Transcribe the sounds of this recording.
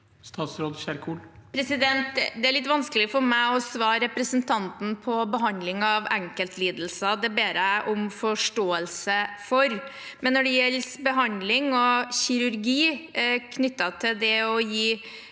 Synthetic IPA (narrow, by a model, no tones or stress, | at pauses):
st̪ɑːt̪sɾoːd̪ɕæɾkʰuːlpʰɾɛsɪd̪ɛnt̪d̪ɛæɾɭɪt̪ːʋɑnskəlɪfɔɾmæɪɔsʋɑːɾɾɛpɾəsənt̪ʰɑnt̪n̩pʰɔbəɦɑnd̪lɪŋɑʋɛŋkəlt̪liːd̪l̩səd̪ɛbeːɾəʔɔmfɔʂʈoːəlsəfɔɾ | mɛnːɔɖɛjɛlsbəɦɑnd̪lɪŋɔɕɪɾʉɾɡiːkʰnʏt̪ːɑt̪ʰɪld̪ɛɔjiː